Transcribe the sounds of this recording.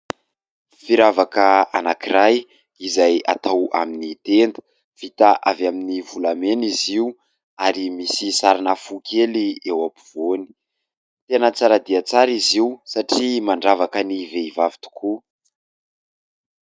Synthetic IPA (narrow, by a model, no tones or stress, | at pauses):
fiɾavakəanakiɾaj | izaja̰t̪awa̰minit̪end̪ə̥ | v̥it̪aʔavaminivulameniziu | aɾimisisaɾanəfukʲʰeliewapi̥v̥oni̥ | t̪enət͡saɾad̪iat͡saɾiziusaʈ͡ʂimaɳɖ͡ʐavakəniveivavi̥t̪u̥kʰu